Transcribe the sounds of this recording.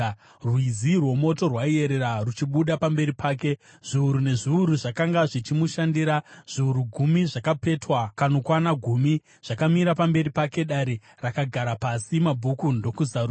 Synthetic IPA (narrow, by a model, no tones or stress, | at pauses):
rwizirwo̞mo̞to̞rwaie̞ɾe̞ɾarut͡ʃiɓuɗapambe̞ɾipaːke̞ | ʐ̥iuɾune̞ʐiuɾuʐakaŋɡaʐit͡ʃimuʃandiɾaʐ̥iuɾuɡʱumiʐakape̞twakano̞kwanaɡʱumi | ʐ̥akamiɾapambe̞ɾipake̞ɗaɾe̞ | rakaɡʱaɾapasimabʱukundo̞kuzau